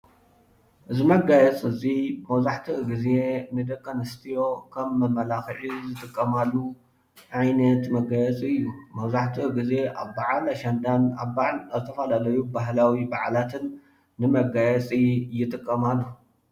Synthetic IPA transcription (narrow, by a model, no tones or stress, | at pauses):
ʔɨzimɐɡajɛt͡sʼɨzimɐwzaħt̪ʰiɡize̞nɨd̪ɐkʰʼːonɐst̪ʰijo̞kʰɐmːɐmːɐlaxɨʕizɨt̪ʼɨkʼːɐmalːu | ʕajnɐt̪mɐɡajɛt͡sʼɨjːumɐwzaħt̪ʰiɡize̞ʔaβbaʕalaʃand̪anaβbaʕalzɨt̪ʰɐfɐlalɐjubaɦlawibaʕalat̪ʰɨnː | ɨmɐɡajɛt͡sʼijɪt̪ʼɨkʼːɐmalːo